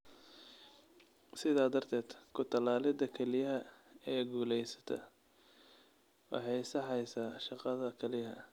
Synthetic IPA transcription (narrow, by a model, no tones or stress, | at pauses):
sɪðaːd̪ɐrt̪ʰɛːd̪̥kʰʊt̪ʰɐlaːlɪd̪ɐkʰɛlɪjɐɦɐɛːɡuːlɛjsɐ̥t̪ʰɐ̰ | wɑ̰ħɑjsɑħɑjsaːʃɑqɑðɐkʰɛlɪjɦɐ̰